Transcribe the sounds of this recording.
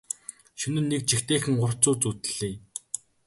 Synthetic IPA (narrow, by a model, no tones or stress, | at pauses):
ʃɵnɘ̆nːek̚t͡ɕixt̪eːxɘ̆ŋɢʊr̥t͡sʊːt͡sut̪ɘɮ̥iː